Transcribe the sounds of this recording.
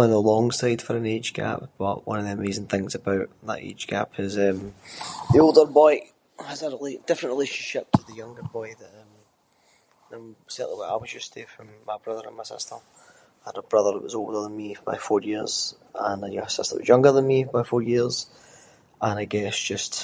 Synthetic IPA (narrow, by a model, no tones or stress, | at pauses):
aɪ̃nəlˠɔ̃ŋsaɪd̥fə˞ə̃ned͡ʒɡ̥a̰p̚b̥ʌ̰ʔwʌ̰̃nəvðiəmezɪ̃ŋθɪ̃ŋzəbaʊʔðə̰ʔḛd̥d͡ʒɡ̥a̰pʰɪzɛ̃mðiolˠdə˞bɔɪ | həzəɹɪledɪfɹə̃nʔɹɪlˠeʃə̃nʃɪp̚tʰəðəjʌ̃ŋɡə˞bɔɪðəʔə̃m | nãɪ̃msɛʔˠəwəa̰ɪwʌzd͡ʒʌsdefɹə̃mːaɪbɹʌðə˞ə̃nmaɪsɪ̰stə˞ | əɾəbɹʌðə˞ə̰ʔwʌ̰zolˠdə˞ðə̃nmib̥a̰ɪfɔɹjiɹz̥ | ə̃njəsɪstə̰˞wʌ̰zjʌ̃ŋɡə˞ðə̃nmibaɪfɔɹjiɹz̥ | ə̃naɪɡɛsd̥ʒ̥ʌst